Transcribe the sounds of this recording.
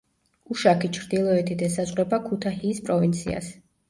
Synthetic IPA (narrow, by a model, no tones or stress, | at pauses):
uʃakʰit͡ʃʰɾd̪ilˠɔɛt̪ʰid̪ɛsazʁʼwɛbakʰut̪ʰahiːspʼɾɔvint̪sʰḭa̰s